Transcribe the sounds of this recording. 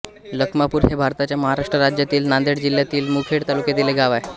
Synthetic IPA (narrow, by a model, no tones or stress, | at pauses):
ləkmapuːɾɦebʱaɾt̪at͡ɕjaməɦaɾaʂʈɾəɾad͡ʑjat̪iːlnand̪eɽd͡ʑiljat̪iːlmukʰeɽt̪aluked̪ileɡaʋae